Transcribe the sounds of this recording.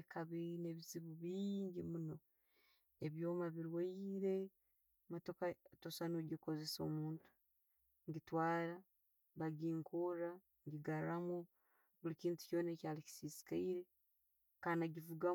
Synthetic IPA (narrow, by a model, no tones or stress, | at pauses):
kʰaβine̞βiziβuβiːɲɟimuno̞ | e̞βjo̞ːmaβiɾwaiɾe̞ | mato̞katosanoɟiko̞ze̞so̞̰muːntu̥ | ŋɟitwaːɾa | βaɡiːŋkuɾa | ŋɟiɡaɾɾamu | βulikiːntu̥co̞ːnecaːliki̥sisi̥kaiɾe̞ | kanaɟivuɡa